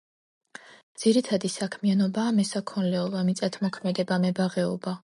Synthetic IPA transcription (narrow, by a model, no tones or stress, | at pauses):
d̪z̥iɾit̪ʰad̪isakʰmianɔbaːmɛsakʰɔnlɛulˠvamit̪sʼat̪ʰmɔkʰmɛd̪ɛbamɛbaʁɛɔba